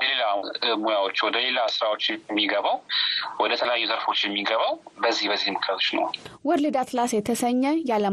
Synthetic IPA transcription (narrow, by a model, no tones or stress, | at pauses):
əlelamujawot͡ʃːwɔd̪əle̞lasɨɾawot͡ʃːmːiɡəβawwɔd̪ət̪ʰələjajːuzəɾfo̞t͡ʃːjɛmːiɡəβawbəzːihbəzːihmɨkʰət̪ʰot͡ʃːnə̰wwɔɾlɨd̪at̪lasjɛt̪ʰəsəɲːəjalə